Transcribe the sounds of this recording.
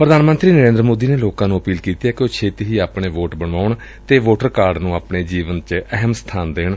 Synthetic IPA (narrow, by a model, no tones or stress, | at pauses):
pɾəd̪aːnmə̃nt̪ɾiːnəɾẽːnd̪ɾəmoːd̪iːneːloːkãːnũːəpiːlkiːt̪iɛːkɪoːt͡ʃʰeːt̪iɦiːaːpɳeːʋoːʈbəɳʋaːʊɳ | t̪eːʋoːʈəɾkaːɾɖnũːaːpɳeːd͡ʒiːʋənt͡ʃɛɦɛmst̪ʰaːnd̪eːɳ